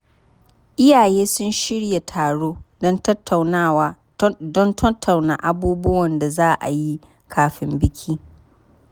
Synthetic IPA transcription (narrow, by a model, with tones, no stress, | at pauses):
ʔɪ˦jaː˨jeː˦sʊ˦nʃɪ˦ɽja˨tʰaː˨ɽoː˦dɔ˦ntɐ˦tʰːa˨wnaː˦˨waː˨˦ | dɔ˦ntʰɐ˦tʰːa˨wnaː˨ʔa˦buː˦bʊ˦wɐ˨nda˨zaː˦ʔa̰˨ji˦ | kʰaː˨ɸɪ˦mbɪ˦kʲʰiː˦